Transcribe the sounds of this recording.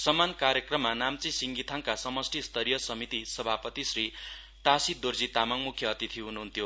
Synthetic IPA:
sʌmːankaɾjʌkrʌmːanamt͡sisiŋɡit̪ʰaŋkasʌmʌsʈʰist̪ʰʌɾijʌsʌmit̪isʌbʱapʌt̪isri | ʈ̪asid̪ord͡zit̪amaŋmukʰːjʌːt̪it̪ʰiɦunuɦunt̪ʰjo

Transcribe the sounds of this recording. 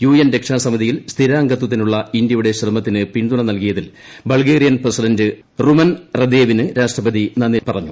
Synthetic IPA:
juːjenɾekʂaːsɐmɐðijilst̪ʰiɾaːŋɡɐt̪̬ːwɐt̪ːinuɭːɐindjɐjuɽe̞ɕrɐmɐt̪ːinɨpind̪uɳɐnɐlkijɐðil | bɐɭɡeːɾijɐnpresidɐndɨ | rumɐnrɐd̪eːʋinɨɾaːʂʈrɐbɐðinɐnːipɐrɐ̰ɲːu

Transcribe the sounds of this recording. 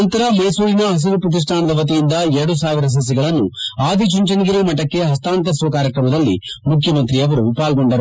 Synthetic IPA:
nt̪ɐɾɐmɐjsuːɾinɐɦɐs̬iɾupɾɐt̪̬is̬ʈʰaːnɐd̪ɐʋɐt̪̬ijind̪ɐɛɾɐɽus̬aːʋiɾɐs̬ɐs̬ːiɡɐɭɐnːuaːd̪ʱit͡ʃuɲt͡ʃɐniɡiɾemɐʈːɐkːe̞ɦɐst̪aːnt̪ɐsuʋɐkaːɾjɐkɾɐmɐd̪ɐlːḭmukʰjɐmɐnt̪ɾiɐʋɐɾupaːlɡo̞ɳɖɐɾ

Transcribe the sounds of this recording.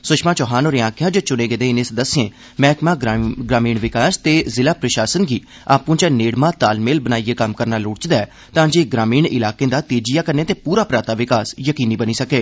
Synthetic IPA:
sʊʃʰmãːt͡ʃɔɦaːnoːɾeãːkʰjãːd͡ʒot͡ʃʊɽeːɡeːd̪eːɪnẽːsd̪əsɪẽː | mɛ̃ːkmãːɡɾaːmiːɳʋɪkaːst̪eːzɪlaːpɾəʃaːsənɡiː | aːpũːt͡ʃaneːɽmãːt̪aːlmeːlbənaːieːkəmkəɾnaːlʊːɽt͡ʃd̪aːɛː | t̪ãːd͡ʒeːɡɾaːmiːɳɪ̰laːkẽːd̪aːt̪eːd͡ʒɪjaːkəɾneːt̪eːpuːɾaːpɾaːt̪aːʋɪkaːsjəkiːniːbəniːsəkeː

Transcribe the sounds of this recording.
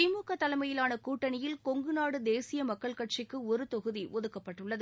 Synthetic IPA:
ɪmuːkɐt̪ːɐlɐɪmɐjɪlaːnɐkuːʈːɐnɪjɪlkɔŋɡɯnaːɽɯd̪eːsɪjɐmɐkːɐɭkɐʈ̚t͡ʃɪkːɯɔɾɯt̪ɔɣɯðiʔɔðɯkːɐpːɐʈːɯɭːɐðɯ

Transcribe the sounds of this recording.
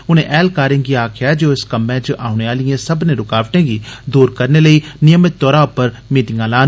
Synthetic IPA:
ʊnẽːʔɛːlkaːɾɪ̃ŋɡiːaːkʰɪjaːd͡ʒoːɪskəmɛ̃ːt͡ʃəʔaːʊneːaːlɪjãːsəbneːɾʊkaːʋʈẽːɡiːd̪uːɾkəɾneːləiːnɪjəmɪt̪ːɔːɾaːʊpəɾ | miːʈɪŋɡãːlaːn

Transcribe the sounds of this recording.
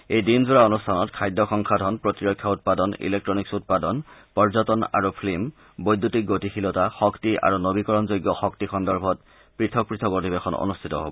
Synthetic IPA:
ejdinzuɹaonustʰanɔtkʰajdʱːɔxɔŋkʰadʱɔnpɹotiɹɔkʰːjaut̚padɔnḭlek̚tɹɔniksut̚padɔnpɔɹzɔtɔna̰ɹupʰlim | bojdːutik̚ɡotixilɔtaxɔktiʔa̰ɹunobikɔɹɔnzojɡːɔxɔktixɔndɔɹbʱɔt | pɹitʰɔk̚pɹitʰɔkotibexɔno̰nustʰitɔ̰ɦo̰bɔ

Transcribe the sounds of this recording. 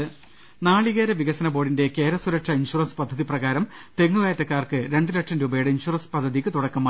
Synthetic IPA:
naːɭiɣeːɾɐʋiɣɐsɐnɐbo̞ːɽinde̞ke̞ːɾɐsuɾɐkʂɐinɕurɐnspɐd̪ʱːɐðiprɐɣaːɾɐmt̪e̞ŋːuɣaːjɐtːɐkːaːrkɨɾe̞ɳɖɨlɐkʂɐndeubɐjiɽɨinɕurɐnspɐd̪ʱːɐðikːɨt̪uɽɐkːɐmaː

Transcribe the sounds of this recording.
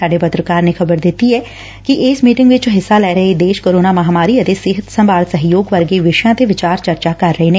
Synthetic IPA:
saːɖepət̪ɾəkaːɾnexɐbəɾd̪ɪt̪iɛː | kiʔɪːsmiːʈɪ̃ŋɡʋɪt͡ʃɦɪsːalɛːɾəɦed̪eːʃkoːɾoːnaːmɐɦaːmaːɾiət̪esɪɦət̪sə̃mbaːɾsəɦjoːɡʋəɾɡeʋɪʃjãːt̪eʋɪt͡ʃaːɾt͡ʃəɾt͡ʃakɐɾːəɦenẽː

